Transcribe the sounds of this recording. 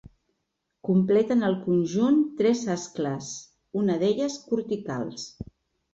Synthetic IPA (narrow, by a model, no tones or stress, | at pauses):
kumplɛt̪ənəlˠkunʲʒunt̪ɾɛzaskləs | unəðeʎəskuɾt̪ika̰lˠs